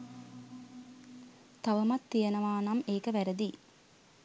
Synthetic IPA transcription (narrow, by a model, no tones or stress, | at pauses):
t̪aʋəmat̪ːijənəʋaːnameːkəʋæɾəd̪i